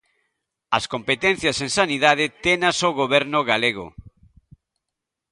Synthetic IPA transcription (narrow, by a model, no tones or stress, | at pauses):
ɐskompet̪ɛ̃n̟θjɐseŋsaniðað̞ɪt̪enasoɣoβ̞ɛɾnʊɣaleɣo̰